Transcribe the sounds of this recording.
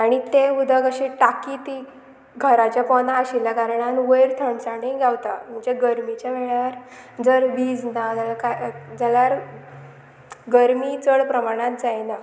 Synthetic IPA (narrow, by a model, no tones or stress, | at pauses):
aɽ̃it̪eud̪ʱəkəɕeʈakit̪i | ɡʱəɾat͡ɕjapɔnaːɕilakaɾɳanʋəjɾt̪ʰəɳsaɽiɡʱjawt̪a̰mət͡ɕaɡəɾmit͡ɕjaʋeɭaʋəɾd͡zəɾbid͡znad͡zalakad͡zalaɾ | ɡəɾmit͡səɽpɾəmaɽ̃ãt̪̚d͡zajna